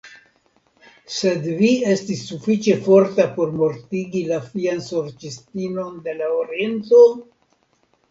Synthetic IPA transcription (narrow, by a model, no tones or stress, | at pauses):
se̞dvie̞stisːufit͡ʃe̞fo̞ɾtapo̞ɾmo̞ɾtiɡilafianso̞ɾt͡ʃistino̞nde̞laoɾie̞nto